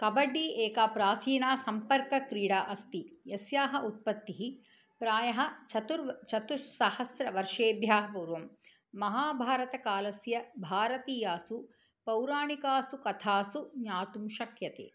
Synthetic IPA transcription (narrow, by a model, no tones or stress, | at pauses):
kɐbɐɖːiːʔeːkaːpɾaːt͡ʃiːnaːsɐmpɐɾkɐkɾiːɽaːʔɐst̪ijɐsjaːɦɐʔut̪̚pɐt̪ːiɦi | pɾaːjɐɦɐt͡ʃɐt̪uɾt͡ʃɐt̪uʂsɐhɐsɾɐʋɐɾʂeːbjaːɦɐpuːɾʋɐmː | ɐɦaːbʱaːɾɐt̪ɐkaːlɐsjɐbʱaːɾɐt̪iːjaːsu | pɐwɾaːɳikaːsukɐt̪ʰaːsuɲaːt̪umʃɐkjɐt̪ḛː